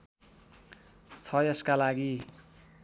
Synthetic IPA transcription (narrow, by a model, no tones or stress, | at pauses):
t͡sʰʌjʌskalaɡi